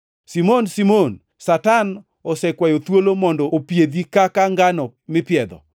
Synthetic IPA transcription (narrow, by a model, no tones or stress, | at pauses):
simonsimon | satan | ɔsɛkwajot̪wolomɔndɔopjed̪ikakaŋɡanɔmɪpɪɛd̪ɔ̰